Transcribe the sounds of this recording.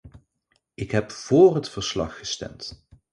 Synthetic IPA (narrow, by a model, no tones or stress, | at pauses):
ʔɪkɦɛpv̥oːrɦətfəɹslɑ̰χːəstɛ̰mt